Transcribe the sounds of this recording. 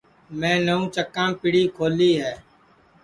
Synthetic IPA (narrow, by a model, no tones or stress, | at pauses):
mɛ̃ːnəũːt͡ʃəkːãːmpɪɽiːkʰoːliːɦɛː